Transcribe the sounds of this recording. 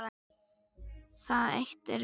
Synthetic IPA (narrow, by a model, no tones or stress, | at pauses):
θaðḛjxt̪ɛɾ